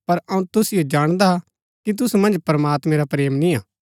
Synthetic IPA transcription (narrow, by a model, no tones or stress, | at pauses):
pɐɾɐ̃ũt̪ʊsɪjed͡ʒaːɽ̃d̪aa | kit̪̬ʊsumɐ̃nd͡ʒpɾɐmaːt̪mẽɾapɾeːmnĩaː